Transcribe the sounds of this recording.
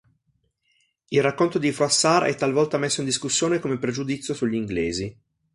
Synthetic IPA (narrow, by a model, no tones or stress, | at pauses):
ilrakːont̪od̪ifɾuasːaɾɛ̰t̪ːalvɔlt̪amesːoind̪iskusːjoːnekomepɾed͡ʒud̪it̪sːjosuʎːiŋɡleːzi